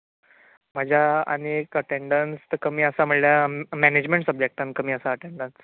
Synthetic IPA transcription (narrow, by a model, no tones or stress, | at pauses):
m̤əd͡ʑʱjaə̰nikəʈeɳɖənst̪əkəmiːəsam̤əɽljamæned͡ʑmẽɳʈsəb̚d͡ʑek̚ʈ̪ankəmiːəsaəʈeɳɖəns